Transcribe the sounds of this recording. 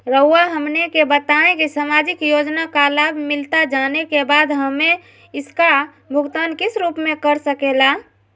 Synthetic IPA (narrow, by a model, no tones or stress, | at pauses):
ɾəuaɦəmnekebət̪aẽkisamad͡ʒɪkjod͡ʒnakalabmɪlt̪ad͡ʒanekebaːd̪ɦəmẽ | ɪska | bʱʊɡt̪ankɪsɾuːpmẽkəɾsəkela